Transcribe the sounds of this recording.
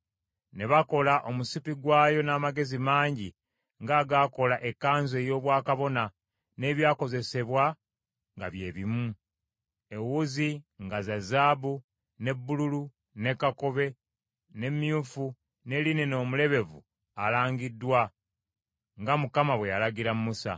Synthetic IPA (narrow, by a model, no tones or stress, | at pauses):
ne̞βako̞laʔo̞musipiɡwaːjo̞naːmaɡe̞zimaːɲɟi | ŋɡaːɡaːko̞laʔe̞kːaːnze̞ːjo̞ːβwaːkaβo̞na | ne̞ːβjaːko̞ze̞se̞βwa | ŋɡa̰βje̞ːβimu | ewuziŋɡazazaːbu | ne̞bːululu | ne̞kako̞βe̞ | ne̞mjufu | ne̞lineno̞ːmule̞βe̞vṵ | alaːɲɡidːwa | ŋɡamukamaβwe̞jalaɡiɾammusa̰